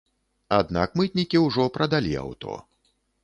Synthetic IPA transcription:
ad̪na̰kmɨt̪ʲnʲikʲiwʐɔpɾɐd̪alʲia̰wt̪ɔ̰

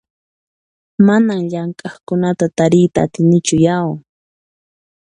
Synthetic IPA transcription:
manamʎaŋkʼɑχkʊnat̪at̪aɾɪjt̪aːt̪ɪnɪt͡ʃʊjaw

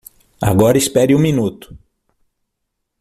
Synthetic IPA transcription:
a̰ɡɔɾɐispɛɾiũminut̪ʊ̥

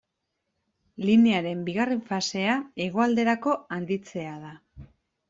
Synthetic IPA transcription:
line̞aɾe̞mbiɣare̞ɱfase̞ae̞ɣ̞o̞ald̪e̞ɾako̞and̪it͡se̞að̞a

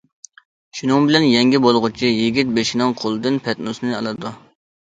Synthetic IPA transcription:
ʃunɨŋbɪlɛnjɛŋɡʲibolˠʁʊt͡ʃʰijiɡʲit̪̚beʃɪnɪŋqʰolˠɨd̪ɨnpʰɛt̪nusnɨɑlˠɨd̪u

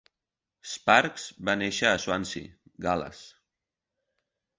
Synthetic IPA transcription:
spaɾkz̥baneʃəːswansḭɡalə̰s

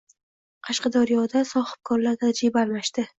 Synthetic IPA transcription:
qʰɑʃqɑd̪aɾijɒd̪asɒhɨ̥b̚kʰɒɾlaɾt̪ʰad͡ʒɾɪbaalmaʃt̪ɪ

